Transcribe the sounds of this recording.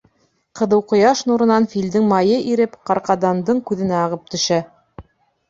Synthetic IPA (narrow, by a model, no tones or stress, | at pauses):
qɤ̆ðɤ̆wqŏjɑʃnuɾɤ̆nɑnfild̪ɘŋmɑjɤʔiɾɘpqɑɾqɑd̪ɑnd̪ɤɴkʉðɘ̆næɑʁɤp̚t̪ɵ̆ʃæ